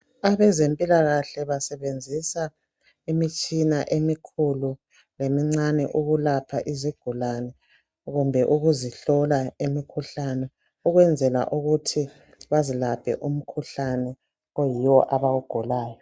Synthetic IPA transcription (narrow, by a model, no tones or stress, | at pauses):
aβɛzempʼilaɣaɬɛβasɛβend͡zʱisa | imit͡ʃʼinaʔemikʰulu | lemiŋ͡ǀanɛʔuɣulapʰaʔiziɡ̥ʱulanɛ | ɣumbʱɛʔuɣuziɬɔlaimikʰuɬanɛ | uɣwɛnd͡zʱɛla̰ʔuɣutʰi | βazilab̥ʰʱɛ̰ʔum̩kʰuɬanɛ | ɣojiwɔʔaβawuɡ̥ʱulaːjɔ